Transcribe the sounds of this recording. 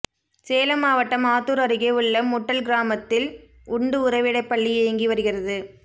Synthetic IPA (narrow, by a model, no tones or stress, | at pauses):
seːlɐmaːʋɐʈːɐmaːt̪ːɯɾɐɾɯɣeːɯɭːɐmːʊʈːɐlɡɪɾaːmɐt̪ːɪl | ʊɳɖɯʊɾɐɪʋɪɽɐɪpːɐɭːiɛjɐŋɡiʋɐɾɯɣɪrɐðɯ